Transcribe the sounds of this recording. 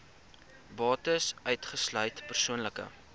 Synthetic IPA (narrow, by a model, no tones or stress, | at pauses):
bɑːtəsœɥtχəslœɥtpərsuənləkə̰